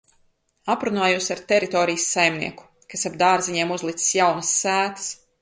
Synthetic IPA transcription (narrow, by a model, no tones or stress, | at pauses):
apɾunaːjuːsaɾt̪ɛɾit̪ɔːɾijsːajmnḭɛku̥ | kasabd̪aːɾziɲiɛmuzlˠit̪si̥sjawnəsːæːt̪ɐ̥s